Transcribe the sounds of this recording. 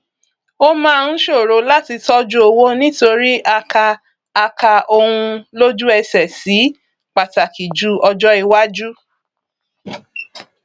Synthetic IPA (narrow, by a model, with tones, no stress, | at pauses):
o˦mãː˦˧˨ñ̩˦ʃo˦˨ɾo˨˧la˦ti˧tɔ˦d͡ʒu˦o˧wo˦nĩ˦to˧ɾi˦a˧kaː˧ | ka˧o˧hũ˧lo˦d͡ʒu˦ɛ˧sɛ˨si˨˦ | k͡pa˨ta˨ki˨d͡ʒu˦ɔ˧d͡ʒɔ˦i˧wa˦d͡ʒu˦